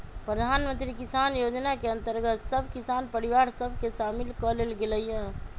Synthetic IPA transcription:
pɾəd̪ʱanmənt̪ɾikisanjod͡ʒnakeə̃nt̪əɾɡət̪səbʱkisanpəɾiʋaɾsəbʱkeʃamilkɔlelɡeləiɦə̃

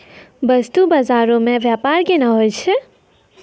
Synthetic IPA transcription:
bəst̪ubazaɾõmẽʋjapaɾkenəɦojt͡ʃʰɛ

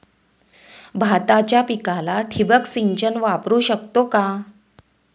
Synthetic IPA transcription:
bʱat̪at͡ɕjapikalaʈʰibəksiɲt͡ɕənʋapɾuːɕək̚t̪oka

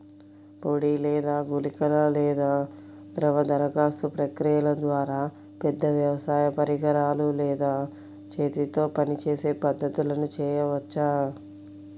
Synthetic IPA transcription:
poːɽiːlɛːd̪aːɡulikɐlɐlɛːd̪aː | d̪ɾɐʋɐd̪ɐɾɐɡaːst̪upɾɐkɾijɐlɐd̪ʋaːɾaː | pɛd̪ːɐʋjɐʋɐsaːjɐpɐɾiɡɐɾaːlulɛːd̪aː | t͡ʃeːt̪it̪o̞ːpɐnit͡ʃeːse̞ːpɐd̪ːɐt̪ulɐnut͡ʃɛːjɐʋɐt͡ʃːaː

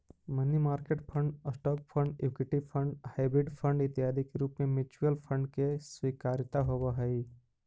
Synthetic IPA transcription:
mənimaːɾkeʈpʰə̃ɳɖəsʈɔːpfʰə̃ɳɖjuːkeʈiʋpʰə̃ɳɖhaɪbɾɪɖpʰə̃ɳɖɪt̪jɦaːd̪ikeɾuːpmẽmɪt͡ʃwjəlpʰə̃ɳɖkeswiːkaːɾt̪aɦowaɦɛi

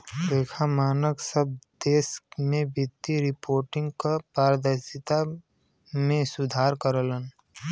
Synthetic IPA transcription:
beːkʰamaːnəksəb̚d̪eːsmẽbɪt̪ːiɾɪpoːɾʈɪ̃ŋɡkapaːɾəd̪əɾsɪt̪a | mẽsʊd̪ʱaːɾkəɾələn

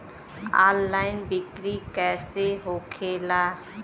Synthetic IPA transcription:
a̰ːlːaːɪnbɪkɾikɛːseɦoːkʰeːlaː

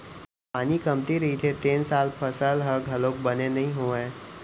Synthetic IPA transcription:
anikəmt̪iɾit̪ʰet̪ensalpʰəsəlɦəɡʱɦəlok̚bənenəɦiɦoãj

